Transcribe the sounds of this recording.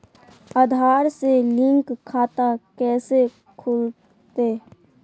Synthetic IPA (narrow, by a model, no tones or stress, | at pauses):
aːd̪ʱaːɾselɪ̃ŋkkʰːaːt̪akɛːse | kʰʊl | t̪eː